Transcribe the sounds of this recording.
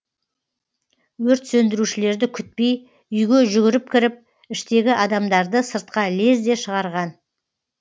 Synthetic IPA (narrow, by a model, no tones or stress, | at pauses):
wɵɾt̪sɵnd̪ɪɾuʃɪle̞ɾd̪ɪkʲʰʏt̪̚pe̞j | ʏjɡʲe̞ʒʏɡʲɪɾɪp̚kʲɪɾɪp̚ | ɪʃt̪e̞ɡʲɪʔɑd̪ɑmd̪ɑɾd̪əsəɾt̪̚qɑle̞zd̪e̞ʃəʁɑɾʁɑn